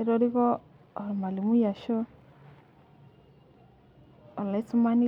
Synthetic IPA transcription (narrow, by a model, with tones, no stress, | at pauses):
e˦ɾo˦ɾi˦kɔː˦˨ | ɾma˨li˨mu˦ja˨ʃo˦˨ | la˨˦su˦ma˦ni˦